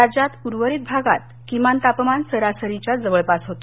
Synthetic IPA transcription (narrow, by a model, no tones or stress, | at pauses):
ad͡ʑat̪puɾʋəɾit̪̚bʱaɡat̪̚ | kimant̪apəmansəɾasəɾit͡ɕjad͡zəʋəɭpasɦot̪